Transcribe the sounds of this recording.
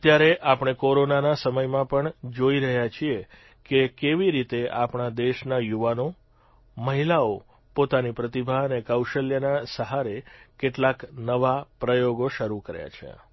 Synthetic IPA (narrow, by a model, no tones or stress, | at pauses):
t̪jaɾeʔapɳ̃ekoɾonanasəməjmãpəɳd͡ʒoiɾəɦjat͡ʃʰie | kekeʋiɾit̪eʔapɳad̪eʃnajuʋano | məɦilao | pot̪anipɾət̪ibʱaənekawʃəljanasəɦaɾekeʈlaknəʋapɾəjoɡoʃəɾukəɾja̰t͡ʃʰḛ